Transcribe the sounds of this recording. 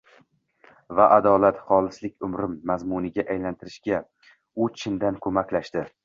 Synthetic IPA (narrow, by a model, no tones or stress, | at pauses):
vaʔad̪ɒlat̪χɒlˠɪslɪk̚ʲʊmɾɪmːazmʊnɪɡʲaʔajlant̪ʰɪɾɪʃɡʲa | ʊt͡ʃʰɪnd̪ankʰɵmakʲlaʃt̪ɪ